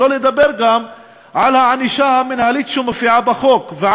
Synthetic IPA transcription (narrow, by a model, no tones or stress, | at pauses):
o̞lejd̪abeʁɡam | ʕalhaʕaniʃahaminhalit̪ʃumefiʕabaχo̞kveʕa